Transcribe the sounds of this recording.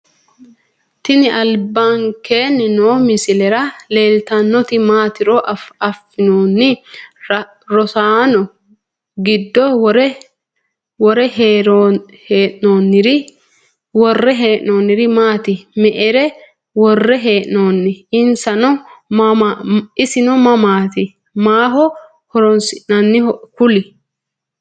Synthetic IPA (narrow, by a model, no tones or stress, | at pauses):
t̪ɪnɪʔɐlbːaŋkeːnːɪnoːmɪsɪlɛɾɐle̞ːlt̪ɐnːɔt̪ɪmaːt̪ɪɾɔʔɐfːɪnoːnːɪ | ɾɔsaːnɔ | ɡɪd̪ːɔɾ | wɔɾɛɦɾ | heːʔnoːnːɪɾɪ | wɔrːɛɦeːʔnoːnːɪɾɪmaːt̪ɪmɛʔɛɾɛ | wɔrːɛɦeːʔnoːnːɪɪnsɐnɔ | aɪsɪnɔmɐmaːt̪ɪ | maːɦɔ | hɔɾɔnsɪʔnɐnːɪkʊlɪ